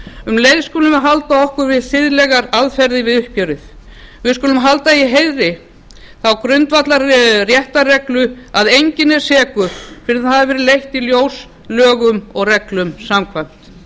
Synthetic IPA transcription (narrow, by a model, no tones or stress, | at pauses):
ʏmlejðskoːlʏmaɦalt̪aɔhkʏɾvɪðsɪðlɛɣaɾaðfɛɾðɪvɪðʏhcœɾɪθ | vɪðskʏːlʏmɦalt̪aiɦejðɾɪ | θawkɾʏnt̪vat̪larjɛht̪arɛklʏaðejɲcɪnɛɾ̥sɛːkʏfɪɾɪθaðavɛːɾɪlejht̪iljoːws | lœːɣʏmɔɣrɛklʏmsamkʰvajm̥t̪